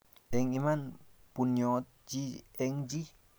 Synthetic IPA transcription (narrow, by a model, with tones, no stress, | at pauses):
e˧ŋi˧manpunjot̪̚d͡ʒie˧ŋd͡ʒi˦